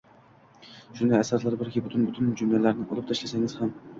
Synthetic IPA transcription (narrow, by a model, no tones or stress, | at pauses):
ʃund̪ɛæsɑslˠɑɾbɪɾkʲibʊt̪ʰʊnbʊt̪ʰund͡ʒumlælæɾnɪŋo̰lˠɨp̚t̪ʰɛʃlæsæŋɪz̥hæm